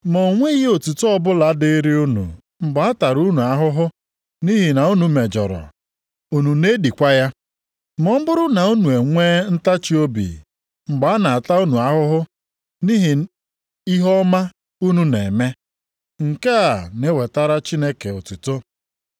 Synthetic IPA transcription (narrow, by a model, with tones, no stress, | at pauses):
mo˨ŋʷe˦ɣi˦o˨tu˨to˦ɔ˦bʊ˦la˨˦dɪ˦i˦ɾi˦u˦nṵ˨ | ŋ͡m̩˨ɡ͡ba˨a˦ta˨ɾu˦nu˨a˦ɦʊ˦ɦʊ˦ | ni˦ɦi˨na˨u˦nu˨me˨d͡ʒɔ̰˨ɾɔ̰˨ | u˨nu˨ne˦di˨kʷa˦ja˦ | mɔ˦m̩˦bʊ˦ɾʊ˦na˨u˦nu˨e˨ŋʷeː˦n̩˦ta˦t͡ʃi˦o˦bḭ˨ | m̩˨ɡ͡ba˨˦a˦na˨a˨ta˦u˦nu˨a˦ɦʊ˦ɦʊ˦ | ni˦ɦi˨ | i˦ɦɔ˦ma˦ | u˦nu˦ne˨me˦ | ŋ̩˨ke˦a˨ne˦we˨ta˦ɾa˦t͡ʃi˦ne˦ke˨o˨tu˨to˦